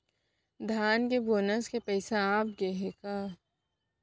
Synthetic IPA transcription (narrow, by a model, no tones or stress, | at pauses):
d̪ʱaːnkeboːnəskepɛːsaaːp̚ɡeɦekaː